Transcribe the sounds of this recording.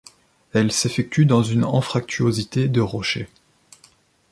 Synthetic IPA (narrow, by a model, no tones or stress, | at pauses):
ɛlsefɛk̚t̪ʰyd̪ɑ̃zynɛ̃fχak̚t̪ʰyozit̪ed̪əʁɔʃe